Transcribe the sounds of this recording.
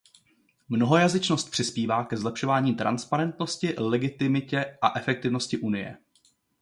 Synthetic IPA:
mno̞ɦo̞jazɪt͡ʃno̞st̪̚pr̥ɪspiːvaːkɛzlɛpʃo̞vaːɲiːt̪ɾʔa̰nspaɾɛnt̪no̞scɪlɛɡɪt̪ɪmɪcɛʔaʔɛfɛk̚t̪ɪvno̞scɪʔunɪjɛ̰

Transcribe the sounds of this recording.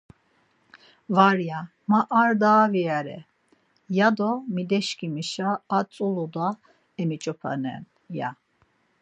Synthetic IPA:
vaɾja | maʔaɾd̪aːviaɾɛ̰ | jad̪ɔmid̪ɛʃkʼimiʃaːt͡sʼulud̪a | ɛmit͡ʃʼɔpʰa̰nɛ̰n | ja̰

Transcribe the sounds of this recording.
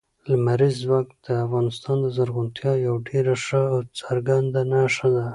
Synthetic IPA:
lamaɾizwɑk̚t̪d̪̥əafɣɑnɪst̪ɑnd̪əzaɾɣʊnt̪ʰjɑjawɖeɾaʂəawt͡saɾɡand̪anaʂad̪a

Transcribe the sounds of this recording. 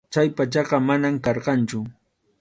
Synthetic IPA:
t͡ʃajpat͡ʃɑɢɑmanamkɑɾɢɑnt͡ʃʊ

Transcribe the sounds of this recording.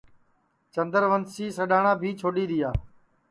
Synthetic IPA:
t͡ʃənd̪əɾʋənsiːsəɗaːɳãːbʱiːt͡ʃʰoːɗiːɗɪjaː

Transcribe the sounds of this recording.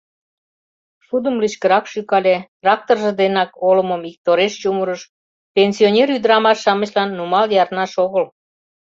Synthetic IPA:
ʃud̪əmliʃkəɾɑkʃykɑlʲet̪rɑk̚t̪orʒĕd̪enɑkolə̆momik̚t̪oɾeʃt͡ɕumuɾəʃ | penʲsionʲeryd̪əɾɑmɑʃːɑmə̆ɕlɑnːumɑljɑrnɑʃoɣəl

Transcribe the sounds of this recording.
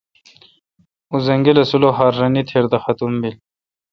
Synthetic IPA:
uzɐŋɡilɐsuloɦaːɾːɐnit̪ʰeɾd̪ɐxɐt̪umbil

